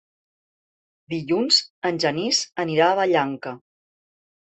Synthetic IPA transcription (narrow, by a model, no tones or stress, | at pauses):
d̪iʎunzənʲʒənizəniɾaːβəʎaŋkə